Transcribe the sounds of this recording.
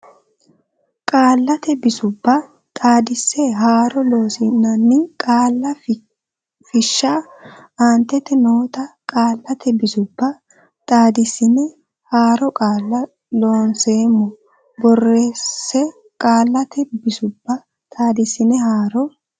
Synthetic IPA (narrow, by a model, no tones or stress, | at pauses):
kʼaːlːɐt̪ɛbɪsʊbːɐ | t̪ʼaːd̪ɪsːɛɦaːɾɔlo̞ːsɪnːɐnːɪkʼaːlːɐ | fɪʃːaː | aːnt̪ːɛt̪ːɛnoːt̪ɐkʼaːlːɐt̪ʰɛbɪsʊbːɐ | t̪ʼaːd̪ɪsːɪnɛ | haːɾɔkʼaːlːɐ | lo̞ːnse̞ːmːɔ | bɔreːsːɛ | kʼaːlːɐt̪ʰɛbɪsʊbːɐ | t̪ʼaːd̪ɪsɪnɛhaːɾɔ